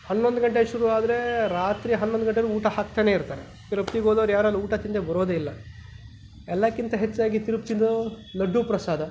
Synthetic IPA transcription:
hɐnːond̪uɡɐɳʈ̬eʃuɾuaːd̪ɐɾe̞ɾaːt̪ɾiɦɐnːond̪uɡɐɳʈ̬ːeɾuuːʈɐhak̚t̪aːne̞ːiɾt̪aːɾe | t̪iɾɐpt̪iɡoːd̪ɐːɾjaːɾɐluuːʈɐt̪ind̪ebɐɾoːd̪eilːɐ | ɛlːakːint̪ɐɦet͡ʃːaːɡit̪iɾup̚t͡ʃind̪ɐ | lɐɖːupɾɐsaːd̪ʱɐ

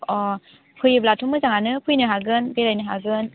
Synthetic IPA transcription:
ɔ | pʰujblatʰumɯzaŋanɯpʰujnɯɦaɡɯnbeɾajnɯɦaɡɯn

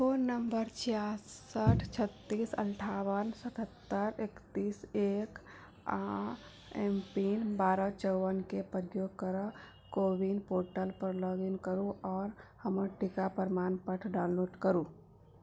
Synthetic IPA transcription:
foːnːəmbəɾt͡ʃjaːsəʈʰt͡ʃʰət̪ːiːsə̰̃nʈʰaːwənsət̪ʰət̪ːəɾekt̪iːseːk | a | ɛmpiːnbaːɾat͡ʃəwənkepəɾjoːɡkəɾə | koːʋinpoːɾʈəlpəɾlɔːɡɪnkəɾũɔːɾhɐməʈɪkapəɾmaːnpəʈʰɖaːʊnloːɖkəɾuː

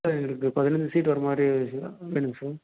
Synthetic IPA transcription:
ɛŋɡɐɭɯkːɯpɐðɪnɐnd͡ʒɯsiːʈ̬ʋɐɾɐmaːd̪ɾiʋeːɳɯmsaːɾ

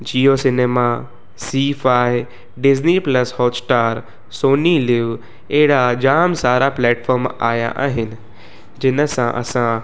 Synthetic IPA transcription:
d͡ʑiːosɪneːma | siːfaːɪ | ɖɪznipləshɔːsʈaːɾ | soːnilɪʋ | ɛɦɪɽad͡ʑaːmsaːɾaplɛːʈfʰɔːɾma̰ːja̰ʔa̰ːɦɪnɪ̆ | d͡ʑɪnəsãʔɐ̰sã

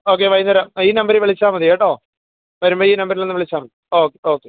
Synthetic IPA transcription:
oːk̬ːeʋɐjnɐɾaːmiːnɐmbɐɾiʋeɭit͡ɕːaːmɐðijeʈːoː | ʋɐɾumboːiːnɐmbɐɾilnenːɨʋeɭit͡ɕːaːmɐðioːkːeoːkːe

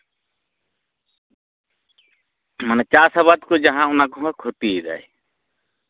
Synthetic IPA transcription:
mənət͡ʃaːsəβad̪kod͡ʒəɦãʊnakoɦkʰot̪ida̰ːe

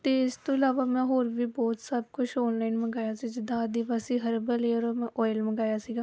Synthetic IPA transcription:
t̪eːɪst̪õːɪlaːʋaːmɛ̃ːɦoːɾʋiːbɔːt̪səb̚kʊt͡ʃʰɔːnlaːɪnməɡaːjaːsiːd͡ʒɪd̪ãːəd̪iʋaːsiːɦəɾbəleːoːɾmɛ̃ːʔɔːjɪlməɡaːjaːsiːɡaː

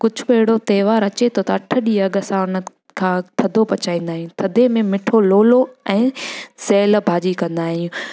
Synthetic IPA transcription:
kʊd͡ʑʱʊɓɐɦɪɽot̪eːʋaːɾɐt͡ɕet̪ʰot̪ɐɐʈʰəɗiɐɠəsãʊnə | kʰãːt̪ʰɐd̪ʱopɐt͡ɕaːĩːnd̪aːɦijũt̪ʰɐd̪ʱemẽmɪʈʰoloːloɛ̃ːsɛːlbʱaːd͡ʑikɐ̃nd̪aːɦijũː

